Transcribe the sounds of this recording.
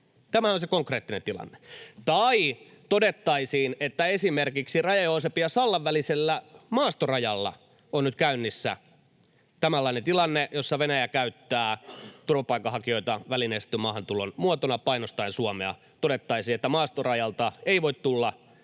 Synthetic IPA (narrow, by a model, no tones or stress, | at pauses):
t̪æmæosekoŋkreːt̪ːinent̪ilɑ̰nːe̥t̪ɑi | t̪odet̪ːɑisiːnet̪ːæesimerkiksirɑjɑjoːsepiɑsɑlːɑʋʋæliselːæmɑːst̪orɑjɑlːɑ̰ | onnyt̪kæynːisːæ̰ | t̪æmælːɑinet̪ilɑnːejosːɑʋenæjækæyt̪ːæːt̪urʋɑpɑikːˑɑhɑkioit̪ɑʋælinest̪ymɑːhɑnt̪ulonmuot̪onɑpɑinost̪ɑinsuɑmeɑ̰ | t̪odet̪ːɑisiːnet̪ːæmɑːst̪orɑjɑlt̪ɑeiʋoit̪t̪ulːɑ